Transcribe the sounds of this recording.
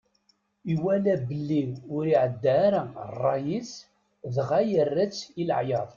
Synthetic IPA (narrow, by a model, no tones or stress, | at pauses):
iwælæbəlːiwʊɾiʕəd̪ːaɾæ̰rˤːɑjis | ðʁæjərːæt͡sːilə̰ʕjɑðˤ